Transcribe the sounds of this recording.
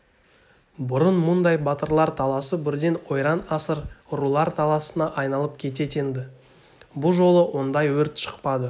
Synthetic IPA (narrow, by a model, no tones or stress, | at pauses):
bʊɾənmʊnd̪ɑjbɑt̪əɾlˠɑɾt̪ʰɑlˠɑsəbɪɾd̪e̞nwo̞jɾɑnɑsəɾʊɾulˠɑɾt̪ʰɑlˠɑsənɑʔɑjnɑlˠəp̚kʲʰe̞t̪̬e̞t̪e̞nd̪ɪ | bʊlˠʒo̞lˠəwo̞nd̪ɑjwɵɾt̪ʃə̥qpɑd̪ə